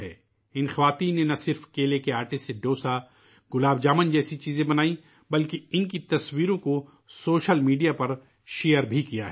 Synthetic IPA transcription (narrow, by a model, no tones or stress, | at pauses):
ɦɛ̰ː | ɪnxɐʋaːt̪iːnːenɐsɪɾfkeːlekeaːʈeseɖoːsa | ɡʊlaːbd͡ʒaːmənd͡ʒɛːsit͡ʃiːzẽbɐnaːi | bɐlkeɪnkit̪ɐswiːɾõko | soːʃəlmiːɖijapɐɾ | ʃeːjəɾbʱikija̰ɦɛː